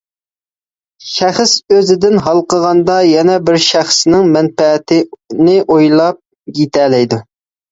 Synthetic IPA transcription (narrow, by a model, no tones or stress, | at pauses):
ʃæχəsøzɪd̪ɪnɦɑlˠqəʁɑnd̪ɑjɛnɛbɪɾʃæχsnɪŋmɛnfɛt̪ʰɪnɪʔojlˠɑp̚ | jet̪ʰɛlɛjd̪u